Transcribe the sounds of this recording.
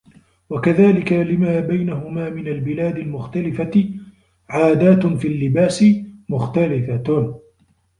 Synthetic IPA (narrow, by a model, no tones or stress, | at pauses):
wakaðaːlɪkalɪmaːbajnaɦʊmaːmɪnalbɪlaːd̪ɪlmʊxt̪alɪfa | ʕaːd̪aːt̪fiːlːɪbaːsɪmʊxt̪alɪfat̪